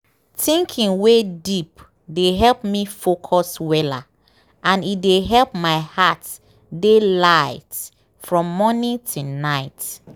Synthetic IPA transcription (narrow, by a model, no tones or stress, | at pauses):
tĩŋkʰĩŋwedip | deɦɛlpmifokʰɔswɛla̰ | ʔãnideɦɛlpmaɪhat | delaɪt | fɹɔ̃mːɔnĩtʰunaɪt